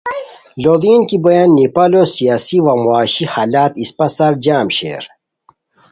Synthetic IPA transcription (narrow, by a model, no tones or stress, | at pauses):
lod̪iːnkibɐjanːipalosijaːsiwamuaːɕihaːlaːt̪ispɐsɐɾd͡ʑaːmɕḛːɾ